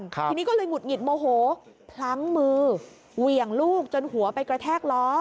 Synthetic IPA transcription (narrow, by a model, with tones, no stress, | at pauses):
nʰiː˧ni˦˥kɔː˥˩lɤː˧jŋu˨˩t̪̚ŋi˨˩t̪̚moː˧ɦoː˩˦ | pʰla˦˥ŋmɯː˧ | wi˨˩əŋluː˥˩k̚t͡ɕo˧nhu˩˦ɐpa˧jkɾa˧t̪ʰɛː˥˩k̚lɔː˦˥